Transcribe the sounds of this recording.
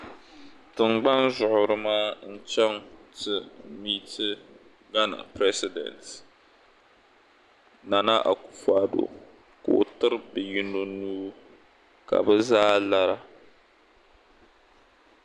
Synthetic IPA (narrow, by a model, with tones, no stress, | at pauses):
tɨ˨mɡ͡ba˦nzʊ˨ʔʊ˨ɾɨ˦maː˦n̩˦˨t͡ʃɛ˦ŋtɨ˦miː˦tʰɨ˦ | ɡa˦na̰˨pɾɛ˦sɪ˨dɛ̰˨nt | na˨na˦ʔa̰˨ku̥˨faː˨do̰˨ | ko̰˨tɨ˦ɾɨ˦bɨ˨ji˦no˦nuː˦ | ka̰˨bɨ˦zaː˦la˦ɾa˦